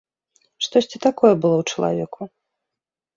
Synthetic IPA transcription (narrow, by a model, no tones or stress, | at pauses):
ʂt̪ɔsʲt͡sʲit̪akɔjɛbɨlˠɔwt͡ʂɐlˠa̰vʲɛkʰu